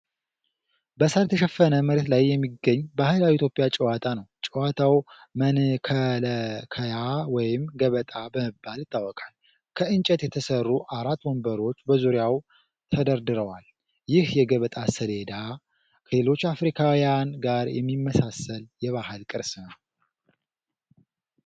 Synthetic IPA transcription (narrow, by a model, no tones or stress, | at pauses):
bəsəɾt̪ʰəʃɛfːənəməɾet̪lajːɛmːiɡəɲːbahɨlawit̪ʰjopʼjat͡ʃʼɛwat̪ʰanəwt͡ʃʼɛwat̪ʰawmənkʰəlkʰəjawɔjɪmɡəβət̪ʼabəməbːaljɪt̪ʰʼːawːɔkʼal | kʰəɨnt͡ʃʼət̪jɛt̪ʰəsərːuʔaɾat̪ːwɔmbəɾo̞t͡ʃːbəzuɾjaw | t̪ʰəd̪əɾd̪ɨɾəwal | jɪhjɛɡəβət̪ʼasəle̞d̪a | kʰəlelo̞t͡ʃːafɾikʰawijanɡaɾjɛ̰mːimːəsasəljɛβahɨlkʼɨɾsnəw